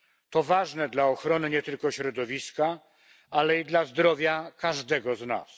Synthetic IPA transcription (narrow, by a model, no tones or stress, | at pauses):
t̪ɔvaʐnɛd̪laɔxɾɔnɘɲɛt̪ɘlkɔɕɾɔd̪ɔvʲiska | alɛid̪lazd̪ɾɔvʲjakaʐd̪ɛɡɔzna̰s